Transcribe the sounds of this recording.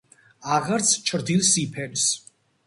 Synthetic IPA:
aʁaɾt̪sʰt͡ʃʰɾd̪ilsipʰɛɾs

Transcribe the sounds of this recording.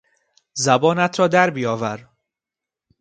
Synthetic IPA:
zæbɒːnæt̪ʰɾɒːd̪æɾbijɒːvæɾ

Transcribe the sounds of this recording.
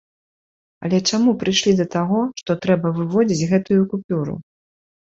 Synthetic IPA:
ɐ̰lʲɛt͡ʂamupɾɨjʂlʲid̪ɐt̪aɣɔʂt̪ɔt̪ɾɛbɐvɨvɔd͡zʲit͡sʲɣɛt̪ujukupʲuɾṵ

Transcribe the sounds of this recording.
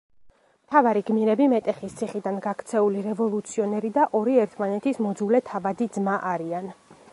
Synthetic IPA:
mt̪ʰavaɾiɡmiɾɛbimɛt̪ʼɛχist̪sʰiχid̪anɡakʰt̪sʰɛuliɾɛvɔlˠut̪sʰiɔnɛɾid̪aʔɔɾiɛɾt̪ʰmanɛt̪ʰismɔd̪zulɛt̪ʰavad̪id̪zmaʔaɾian

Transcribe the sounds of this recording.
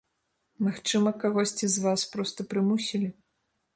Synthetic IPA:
maxt͡ʂɨmɐkaɣɔsʲt͡sʲizvaspɾɔst̪ɐpɾɨmusʲilʲi

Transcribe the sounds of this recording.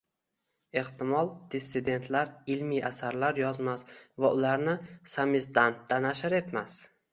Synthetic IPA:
e̞ht̪ɪmɒlˠd̪̥esːɪd̪e̞nt̪ʰlaɾɪlmijʔasaɾlaɾjɒzmasvaʔʊlaɾnɪsamɪsd̪ant̪ːanaʃɪɾe̞t̪mas

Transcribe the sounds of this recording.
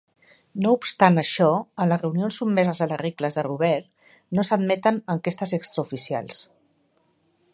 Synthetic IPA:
noupst̪anəʃɔənləzrəunionsubmɛzəzələrikləzðəruβ̞ɛɾ | nosəd̪mɛt̪ənəŋkest̪əzɛkst̪ɾəufisia̰lˠs

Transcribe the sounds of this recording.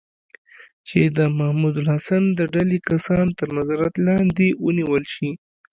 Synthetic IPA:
t͡ʃed̪əmahmud̪ʊlhasand̪əɖalekasɑnt̪əɾnazɑɾat̪lɑnd̪ewəniwəlʃi

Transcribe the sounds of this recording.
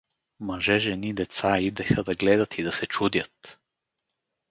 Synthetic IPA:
maʒɛʒɛnid̪ɛt̪said̪ɛxad̪aɡlɛd̪at̪ʰid̪ɐsɛt͡ʃud̪jat̪

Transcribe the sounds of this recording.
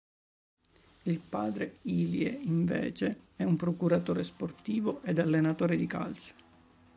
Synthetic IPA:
ilpaːd̪ɾeiːljeiɱvḛːt͡ʃeɛumpɾokuɾat̪oːɾesport̪iːvoʔed̪alːenat̪oːɾed̪ika̰ls

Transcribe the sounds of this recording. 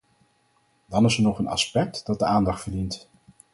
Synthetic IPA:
dɑnɪsəɹnɔχənɑ̰spɛk̚td̥ɑt̚dəaːndɑχtfəɹdint

